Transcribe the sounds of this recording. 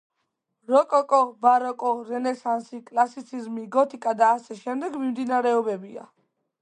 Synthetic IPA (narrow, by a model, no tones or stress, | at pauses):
ɾɔkʼɔkʼɔbaɾɔkʼɔɾɛnɛsansikʼlˠasit̪sʰizmiɡɔt̪ʰikʼad̪aːsɛʃɛmd̪ɛɡmimd̪inaɾɛɔbɛbia̰